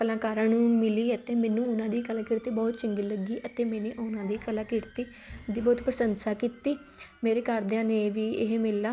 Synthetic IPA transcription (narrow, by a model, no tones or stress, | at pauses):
kəlãːkaːɾãːnũːmɪliːət̪eːmɛːnũːʊnãːd̪iːkəlãːkɪɾt̪iːbɔːt̪t͡ʃəŋɡiːləɡiːʔət̪eːmɛːnẽːʔʊnãːd̪iːkəlãːkɪɽt̪iː | d̪iːbɔːt̪pɾəsənsaːkit̪iː | meːɾeːkəɾd̪ãːneːʋiːɪɦmɪlːaː